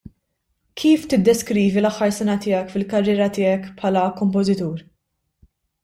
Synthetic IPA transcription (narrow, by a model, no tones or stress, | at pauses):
kʰiːft̪ɪd̪ːɛskɾiːvilɐħːɐɾsɛnɐt̪ɪːɐkfɪlkɐrːɪːɾɐt̪ɪːɐkpħɐlɐkɔmp̬ɔzɪt̪uːɾ